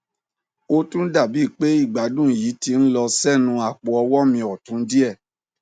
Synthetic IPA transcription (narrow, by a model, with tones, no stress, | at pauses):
o˧tũ˦da˦˨bi˨˦˨k͡pe˦i˦˨ɡ͡ba˨˦dũ˦˨ji˨˦ti˧n̩˦lɔ˧sɛ˦nũ˧a˨k͡po˨˦ɔ˧wɔ˦mĩ˧ɔ˨tũ˨˦n̩˦di˦ɛ˦˨